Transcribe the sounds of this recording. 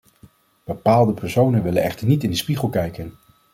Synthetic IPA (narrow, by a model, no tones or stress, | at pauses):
b̥əpaːlˠdəpɛɹsownənʋɪlənɛχtəɹnitɪndəspiχəlˠkɛjkən